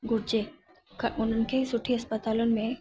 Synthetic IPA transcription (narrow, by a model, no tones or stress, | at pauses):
ɡʊɾd͡ʑe | kʊn̤ən̆kʰesʊʈʰːiəspət̪aːlɔnmẽ